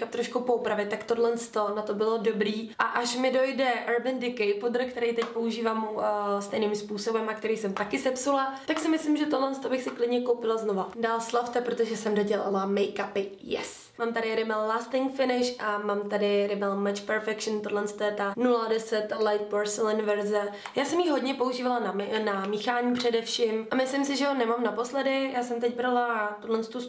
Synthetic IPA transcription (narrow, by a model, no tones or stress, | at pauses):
kap̚t̪ɾoʃkupo̞upɾavjɛt̪akt̪o̞dlɛnst̪o̞nat̪o̞bɪlo̞do̞bɾiːʔaʔaʃmɪdo̞jdɛʔɛɾbɛndɪkɛjpod̪r̩kt̪ɛɾɛjt̪ɛcpo̞uʒiːvaːmust̪ɛjniːmspuːso̞bɛmak̚t̪ɛɾijsɛmt̪akɪsɛpsulat̪aksɪmɪslimʒɛt̪odlɛnst̪obɪxsɪklɪdɲɛko̞wpɪlazno̞vadaːlslaft̪ɛpɾot̪oʒɛsɛmdoɟɛla̰lamɛjkapɪ | jɛ̰s | maːmt̪aɾɪɾɪmɛllaːst̪ɪŋkfɪnɪʃʔamaːmt̪adɪɾɪmɛlmat͡ʃpɛɾfɛkʃnt̪odlɛnst̪ojɛt̪anuladɛsɛt̪lajt̪̚poɾsɛlɪnvɛɾzɛ | jaːsɛmjixɦo̞dɲɛpo̞uʒiːvalananamiːxaːɲipr̝̥ɛdɛfʃimʔamɪslɪmsɪʒɛɦonɛmaːmnapo̞slɛdɪjaːsɛmt̪̬ɛc̚bɾalat̪udlɛnst̪os